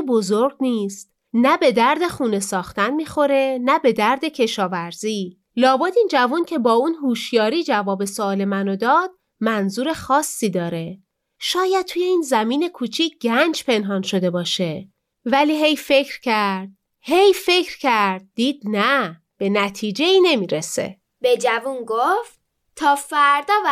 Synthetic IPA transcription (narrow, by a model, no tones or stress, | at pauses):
bozoɾɡniːst̪ | næbe̞d̪æɾd̪e̞xuːne̞sɒːxt̪ænmiːxo̞ɾe̞næbe̞d̪æɾd̪e̞cʰe̞ʃɒːvæɾziː | lɒːbɒːd̪iːnd͡ʒævuncʰe̞bɒːunɦuːʃjɒːɾiːd͡ʒævɒːbe̞sɒle̞mænod̪ɒːd̪̥̚ | mænzuːɾe̞xɒːsːiːd̪ɒːɾe̞ | ʃɒːjæd̪̚t̪ʰuːje̞iːnzæmiːne̞kʰuːt͡ʃʰiːcɟænd͡ʒpʰe̞nɦɒːnʃo̞d̪e̞bɒːʃe̞ | væliːɦe̞jfe̞cʰɾcʰæɾd̪̥̚ | he̞jfe̞cʰɾcʰæɾd̪̚d̪ːiːd̪̥̚næ | b̥e̞næt̪ʰiːd͡ʒe̞iːne̞miːɾesḛ | b̥e̞d͡ʒævunɡoft̪ | t̪ʰːɒːfæɾd̪ɒːv